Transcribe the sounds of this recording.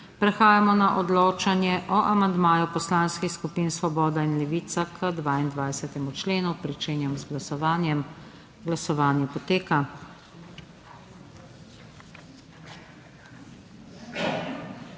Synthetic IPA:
pɾɛxaːjamɔnaʔɔd̪loːt͡ʃanjɛʔɔʔamand̪maːjupɔslanskixskupiːnsʋɔbɔːd̪ainlɛʋiːt̪sakʰəd̪ʋaːind̪ʋajsɛt̪ɛmut͡ʃleːnupɾit͡ʃeːnjɛmzɡlasɔʋaːnjɛm | ɡlasɔʋaːnjɛpɔt̪eːka

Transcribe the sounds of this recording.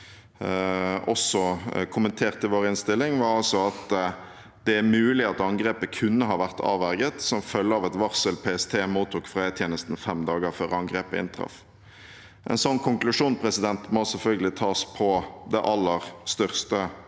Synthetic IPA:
ɔsɔkʰʊmənt̪ʰeːʁt̪ɪʋoːɾɪnst̪ɪlːɪŋʋɑɾɑlsɔɑt̪ | d̪̥ɛæmʉːlɪɑt̪ɑŋɡʁeːpəkʰʉnːəɦɑːʋæʁt̪ʰɑ̰ːʋæʁɡət̪sɔmfœlːəɑːʋɛt̪ʋɑʁsəlpʰeːɛst̪ʰeːmuːt̪ʰːuːkfʁæɪət̪ʰjeːnəst̪n̩fɛmd̪ɑːɡəføːʁəɑŋɡʁeːpəɪ̰nt̪ʰʁɑ̰f | ʔɛ̰nsɔnːkʰʊŋklʉʂuːnpʰɾɛsɪd̪ɛnt̪mɔsɛlfœlɡəlɪt̪ʰɑːspʰɔd̪ɛʔɑlːəʁst̪œʁst̪ə

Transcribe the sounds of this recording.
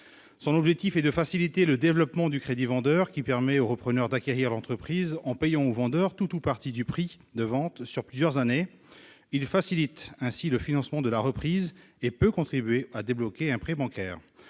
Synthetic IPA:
sɔ̃nɔbʒɛk̚t̪ifɛd̪əfasilit̪eləd̪evlɔpmɑ̃d̪ykχed̪ivɑ̃d̪œʁkʲipɛʁmɛoʁəpχənœʁd̪akʲeʁiʁlɑ̃t̪χəpχizɑ̃pejɑ̃ovɑ̃d̪œʁt̪ut̪upaʁt̪id̪ypχi | d̪əvɑ̃t̪syʁplyzjœʁzane | ilfasilit̪ɛ̃siləfinɑ̃smɑ̃d̪əlaʁəpχiːzepøkɔ̃t̪χibɥead̪eblɔkʲeɛ̃pχɛbɑ̃kʲɛːʁ

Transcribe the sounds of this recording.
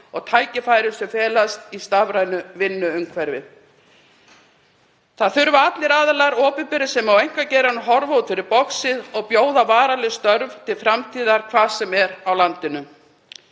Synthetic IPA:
ɔɣt̪ʰaːjcɪfaːjɾɪsœfɛːlast̪ist̪avɾaːjnʏvɪnːʏʏmkʰvɛɾvɪ̰ð | θaðθʏɾvaat̪lɪɾaːðalaɾɔːpɪpɪɾɪsɛmawejŋ̥kacɛːɾanʏɦɔɾvowt̪fɪɾɪɾpɔksɪðɔɣpjoːwðavaːɾalɛst̪œɾvt̪ʰɪlfɾamt̪ʰiːðaɾ̥kʰvaːðsɛmɛɾawlant̪ɪnʏ

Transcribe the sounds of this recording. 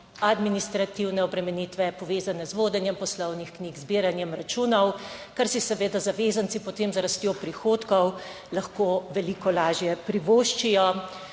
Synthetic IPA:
ad̪minist̪ɾat̪iwnɛɔbɾɛmɛnit̪ʋɛpɔʋeːzanɛzʋoːd̪ɛnjɛmpɔslɔwnixkniːɡzbiːɾanjɛmɾat͡ʃuːnɔwkaɾsisɛʋeːd̪azaʋeːzant̪sipɔt̪eːmzɾast̪jopɾixoːt̪kɔw | laxkoːʋɛlikɔlaːʒjɛpɾiʋoːʃt͡ʃijɔ

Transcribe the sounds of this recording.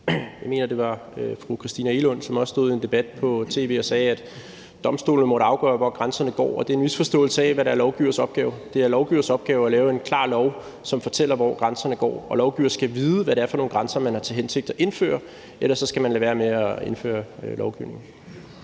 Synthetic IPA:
jɑ̈ɪme̝̰ːnɐd̥e̝ʋɑ̈øfʁukʰʁisd̥iːnæelɔ̽nsɒ̽mɒ̽sd̥o̝ðˠie̝nd̥e̝b̥æd̥̚pʰɒ̽t͡sʰe̝̰ːʋe̝̰ːɒ̽sɛːæd̥ | d̥ɒ̽msd̥o̝̰ːln̩əmɔ̽ɾ̥əɑ̈ʊɡ̥ɶːɐʋɒ̰ɡ̥ʁɑnsɐnəɡ̥ɒ̰ːɒ̽d̥e̝e̝nʋisfɒ̽sd̥ɔ̰̽ːl̩səɛʋæɾɑæɐlɒʊɡ̥iʊ̰ɐsɒ̽b̥̚ɡ̥ɛːʊd̥e̝æɐlɒʊɡ̥iʊɐsɒ̽b̥̚ɡ̥ɛːʊælɛːʊe̝nkʰlɑ̰̈ːlɒʊ | sɒ̽mfɒ̽t͡sʰel̰ɐʋɒ̰ːɡ̥ʁɑnsɐnəɡ̥ɒ̰ːɒ̽lɒʊɡ̥iʊ̰ɐsɡ̥æʋiːð̞ˠəʋæɾeæɐfɒ̽no̝ːnɡʁɑ̈nsɐmænhɑ̈t͡sʰe̝lɦense̝ɡ̥̚d̥ɒ̽ʔe̝nfø̰ːɐ | elɐsɒ̽sɡ̥æmænlæʋæːɐmeæe̝nfø̰ːɐlʔɒʊɡ̥iʊne̝ŋn̩

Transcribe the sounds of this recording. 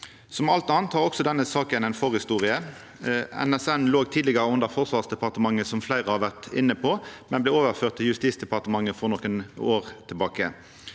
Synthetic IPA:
sɔmɑlt̪ɑːnt̪hɑʁɔksɔd̪ɛnːəsɑːkənɛɪnfɔʁhɪst̪uːʁɪə | ɛ̰nɛsɛnloːɡt̪ʰiːd̪lɪɡəʁəʉnd̪əʁfɔʁsʋɑːʁsd̪ɛpɑʁt̪əmɑŋːəsɔmflæɪʁəhɑːʋæʁt̪ɪ̰nːəpʰɔmɛnblɛːoːʋəʁføːʁt̪ʰːɪljʉst̪iːsd̪ɛpɑʁt̪əmɑŋːəfɔʁnɔkːənoːʁt̪ʰɪlbɑːkə

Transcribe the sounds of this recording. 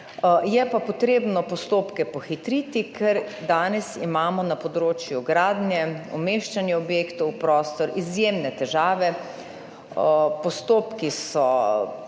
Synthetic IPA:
jɛpapɔt̪ɾeːbnɔpɔst̪oːpkɛpɔxit̪ɾiːt̪ikʰɛɾd̪aːnɛsḭmaːmɔnapɔd̪ɾoːt͡ʃjuɡɾaːd̪njɛɔmeːʃt͡ʃanjɛɔbjeːkt̪ɔwpɾɔːst̪ɔɾʔizjemnɛt̪ɛʒaːʋɛ | pɔst̪oːpkisɔ

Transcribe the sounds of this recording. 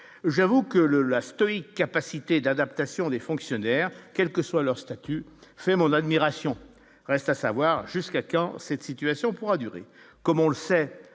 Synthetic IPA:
ʒavukələlast̪ɔikːapasit̪ed̪ad̪apt̪asjɔ̃d̪efɔ̃ksjɔnɛːʁkʲɛlkəswalœʁst̪at̪yfɛmɔ̃nad̪miʁasjɔ̃ | ʁɛst̪asavwaʁʒyskakɑ̃sɛt̪sit̪ɥasjɔ̃puʁad̪yʁḛ | kɔmɔ̃ləsɛ

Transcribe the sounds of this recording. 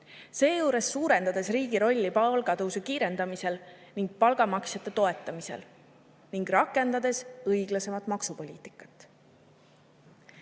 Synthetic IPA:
se̞ːjuːɾe̞sːuːɾe̞nd̪ɑd̪̥e̞sriːɡ̥iɾo̞lʲːipɑlɡɑt̪uwsekiːɾe̞nd̪ɑmise̞l | niŋɡ̥̚pɑlɡ̥ɑmɑksjɑt̪ːˑe̞t̪o̞e̞t̪ˑːɑmise̞̰l | niŋɡrɑkːˑe̞nd̪ɑd̪e̞sɤjɡ̥lɑse̞mɑt̪ˑmɑksupo̞lʲiːt̪ˑi̥kːˑɑ̥t̪ːˑ

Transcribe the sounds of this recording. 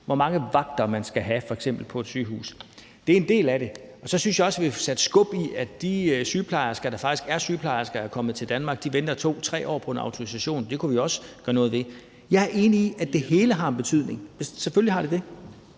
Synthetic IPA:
ʋɒmɑ̈ŋəʋɑ̈ɡ̥̚d̥ɐmænsɡ̥æɦæfɒ̽eɡ̥sem̰b̥l̩pʰɒ̽e̝d̥syːɦṵːs | d̥e̝æɐe̝nd̥e̝̰ːlæɾe̝ɒ̽sɒ̽synsjɑ̈ɒ̽sʋisæd̥əsɡ̥ɔ̽b̥iæd̥isyːpʰlɑ̈ɪɐsɡ̥ɐd̥ɑ̈fɑ̈ɡ̥isɡ̥æɐsyːpʰlɑ̈ɪɐsɡ̥ɐæɐkʰɒ̽mð̩ˠt͡sʰe̝ld̥ænmɑ̈ːɡ̥̚d̥iʋend̥ɐt͡sʰo̝̰ːt͡sʰʁɛ̰ːʔɒ̰ːpʰɒ̽e̝nɑ̈ʊt͡sʰo̝ʁisæɕo̝̰ːnd̥e̝kʰuʋiɒ̽sə̥ɡ̥ɶɐnɔ̽ːð̩ˠʋe̝ | jɑ̈æɐʔe̝ːniiʔæd̥e̝he̝ːləɦɑ̈enb̥e̝t͡sʰyð̰ˠne̝ŋmesseføllihɑ̈ɾ̥ed̥e̝

